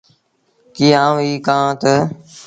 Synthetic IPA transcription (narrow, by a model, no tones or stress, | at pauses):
kiːãːʋiːkãːt̪ə